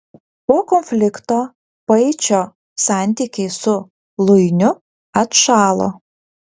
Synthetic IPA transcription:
poːkɔnʲfʲlʲɪkt̪oː | pɐɪt͡ʃʲoː | sɑˑnʲt̪ʲiːkʲɛɪsʊ | lˠʊɪnʲʊ | ɐt̪ʃɑːlˠo̰ː

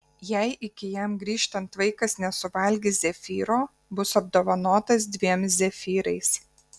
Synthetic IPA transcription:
jæɪʔɪkʲɪjɛmɡɾʲiːʃt̪ɐnt̪ʋɐɪkɐsnʲɛsʊʋɐlʲɡʲɪzʲɛfʲiːɾoː | bʊsɐb̚d̪oːʋɐnoːt̪ɐs̬d̪ʲʋʲiɛmszʲɛfʲiːɾɐɪs

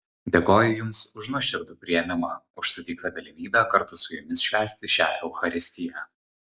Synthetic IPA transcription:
d̪ʲeɛkoːjʊjʊmsʊʒnʊʃʲɪɾd̪ʊpʲɾʲɪjɛmʲɪmɑ | ʊʃsʊt̪ʲɪːk̚t̪ɐɡɐlʲɪmʲiːbʲæːkɐɾt̪ʊsʊjʊmʲɪsʃʲʋʲæːsʲt̪ʲɪʃʲæ̰ːjʲɛʊxɐɾʲɪsʲt̪ʲɪjæː

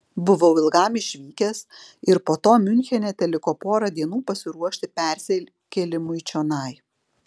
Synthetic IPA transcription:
bʊʋɐʊɪlˠɡɑˑmɪʃʲʋʲiːkʲɛsɪɾpoːt̪oːmʲʊnʲxʲɛnʲɛt̪ʲɛlʲɪkoːpoːɾɐd̪ʲiɛnuːpɐsʲɪɾuɔʃʲt̪ʲɪpʲæˑɾʲsʲɛlʲ | kʲɛlʲɪmʊt͡ʃʲonɐɪ

